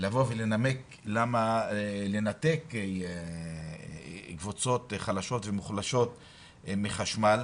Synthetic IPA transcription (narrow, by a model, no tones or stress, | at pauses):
lavovele̞name̞k | lamale̞nat̪e̞k | ɡvut͡so̞t̪χalaʃo̞tvemuχlaʃo̞t̪ | miχaʃmal